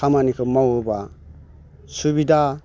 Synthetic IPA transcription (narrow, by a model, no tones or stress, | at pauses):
amanikʰɯmawɯba | suβida